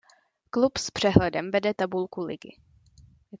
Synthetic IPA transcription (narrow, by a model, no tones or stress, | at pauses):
klupspr̝̥ɛɦlɛdɛmvɛdɛt̪abulkulɪ̰ɡɪ̰